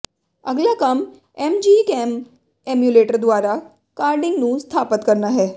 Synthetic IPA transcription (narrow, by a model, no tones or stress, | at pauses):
əɡljakəm | emd͡ʑikem | emjuleʈəɾd̪ʋaɾa | kaɾɖiŋɡnũːst̪ʰapət̪kəɾnaɦɛ